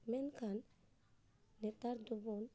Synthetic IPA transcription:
mɛnkʰan | net̪aɾd̪ubɔn

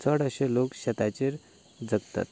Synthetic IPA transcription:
t͡səɽəɕelokɕət̪at͡ɕeɾ | d͡zəɡt̪a̰t̪̚

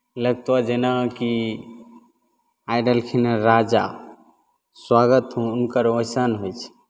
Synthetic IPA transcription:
ləɡ̚t̪wad͡ʒenaki | ajɖəlkʰinəɾad͡ʒa̰ | swaɡət̪ɦũːnkəɾojsanɦojt͡ʃʰɛ̥

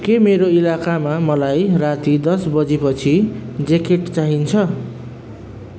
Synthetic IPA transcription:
kemeɾoilakamamʌlajrat̪id̪ʌsbʌd͡zipʌt͡sʰid͡zekeʈt͡saɦint͡sʰʌ

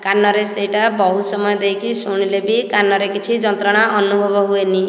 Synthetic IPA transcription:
kanːɔɾesejʈabɔɦusɔmɔjɔd̪ejkisuɽ̃ilebikanːɔɾekit͡ʃʰid͡ʒɔnt̪ɾɔɽ̃aʔɔnubʱɔbʱɔɦueni

